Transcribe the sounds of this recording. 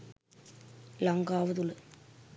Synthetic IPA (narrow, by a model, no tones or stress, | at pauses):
lɐŋɡaːʋɐðuɭɨ